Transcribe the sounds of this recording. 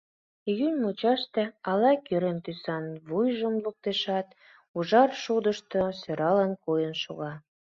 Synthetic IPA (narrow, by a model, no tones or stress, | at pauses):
jynʲmut͡ɕɑʃt̪ĕɑlɑkøɾent̪ysɑnβujʒəmluk̚t̪eʃɑt̪ | uʒɑrʃud̪əʃt̪osøɾɑlɑnkujənʃoɣɑ